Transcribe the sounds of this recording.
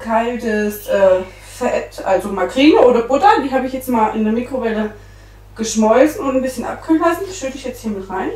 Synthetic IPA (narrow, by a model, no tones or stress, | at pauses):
kʰaltəsʔɛː | fɛʔɛtʔa̰lzomakʁiːnəʔoːdɐbʊtɐd̥iːɦaːbəɪçjɛt͡stmaːlʔɪ̰ndeɐmiːkʁ̥ovɛlə | ɡ̥əʃmɔʏlt͡sn̩ʊntn̩bɪsçənʔa̰p̚kʰylnlasn̩ʃøtəɪçjɛt͡sthiːɐmɪtʁaɪn